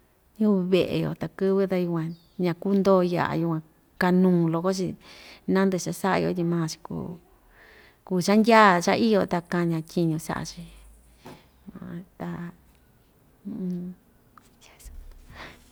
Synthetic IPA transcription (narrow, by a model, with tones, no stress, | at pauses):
jũ˦˧βe˧˨ʔḛ˨jo̰˨t̪a˨kɨ˦βɨ˦t̪a˧ju˧kʷã˧ | ɲã˧ku˦nd̪o˦ja̰˧˨ʔa̰˨ju˧kʷã˧ | ka˧nũː˧˨lo˧ko˦t͡ʃḭ˧nã˦nd̪ɨ˧˨ʂa˧sa˦ʔa̰˧jo̰˧t̪ʲi˧mãː˦˧˨t͡ʃi̥˧kṵː˧ | ku˧˨t͡ʃa˦ndʲa˦˨t͡ʃa̰˦i˦jo˧t̪a˧kã˧ɲã˧tʲi˧ɲũ˧sa̰˦ʔa̰˧t͡ʃi˧ | ã̰˨t̪a˧